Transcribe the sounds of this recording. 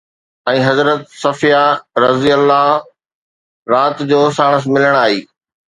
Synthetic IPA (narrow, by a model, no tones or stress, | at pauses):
ɛ̃ːɦɐzɾət̪sɐfijaɾɐzijəlːa | ɾaːt̪d͡ʑoːsaːɽ̃əs̬mɪləɽ̃aːɦiː